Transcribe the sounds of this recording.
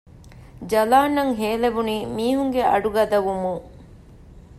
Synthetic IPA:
d͡ʒɐlaːnːɐŋɦeːlebuniːmiːɦuŋɡeɐ̰ɖuɡɐd̪ɐʋumuŋ

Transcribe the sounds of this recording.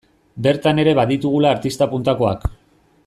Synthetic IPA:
be̞ɾt̪ane̞ɾe̞βaðit̪uɣ̞ulaːɾt̪ist̪apunt̪ako̞ak

